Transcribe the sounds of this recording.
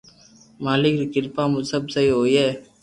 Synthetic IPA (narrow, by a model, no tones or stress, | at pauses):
maːlɪkɾkɪɾpaːmʊsɐbsɐjoːje